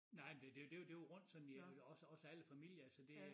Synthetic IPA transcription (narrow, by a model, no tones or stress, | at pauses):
nɑ̈ɪ̰md̥ed̥e̝d̥e̝jod̥e̝joʁɔ̽n̰d̥sɒ̽nn̩æɒ̽səɒ̽səæləfæmil̰jɐælsəd̥e̝